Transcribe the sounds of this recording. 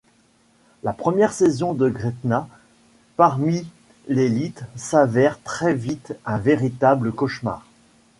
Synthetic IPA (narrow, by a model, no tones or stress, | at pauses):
lapχəmjɛʁsezɔ̃d̪əɡʁet̪na | paʁmi | lelit̪savɛʁt̪χɛvit̪ɛ̃veʁit̪abləkɔʃma̰ːʁ